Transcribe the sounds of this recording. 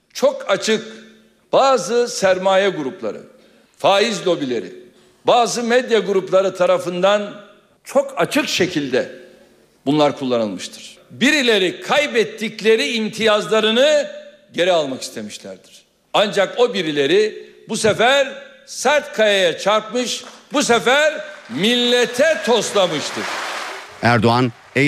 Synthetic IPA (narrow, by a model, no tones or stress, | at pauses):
t͡ʃʰo̞kʰat͡ʃʰɯk | b̥aːzɯsæɾmaːjɛɡuɾuplˠa̰ɾɯ̰ | faːizlʲo̞bilʲe̞ɾḭ | baːzɯmɛd̪jaɡuɾuplˠaɾɯt̪ʰaɾafɯnd̪an | t͡ʃʰo̞kʰat͡ʃʰɯkʃe̞cʰilʲd̪ɛ | bunlˠaɾkʰulˠːanɯ̰lˠmɯʃt̪ʰɯ̥ɾ̥biɾilʲe̞ɾikʰajbɛt̪ʰːiclʲe̞ɾiːnt̪ʰijazlˠaɾɯnɯ | ɟe̞ɾialˠmaki̥st̪ʰe̞miʃlʲæ̰ɾd̪iɾ̥ | and͡ʒako̞biɾilʲe̞ɾibusefæɾ | sæɾt̪kʰajajat͡ʃʰaɾpmɯʃbus̬efæɾmilʲːet̪ʰɛt̪ʰo̞slˠamɯʃt̪ʰɯɾ̥æɾd̪oan | e